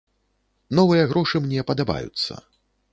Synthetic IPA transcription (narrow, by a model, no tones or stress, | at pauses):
nɔvɨjɐɣɾɔʂɨmnʲɛpɐd̪aba̰jṵt̪sːɐ̰